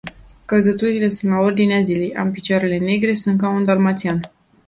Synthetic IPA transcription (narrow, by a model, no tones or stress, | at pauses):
kəzət̪uɾile̞sunt̪lao̞rd̪ineazile̞jʔa̰mpit͡ʃoaɾe̞le̞ne̞ɡɾe̞sunt̪kaund̪almat̪sian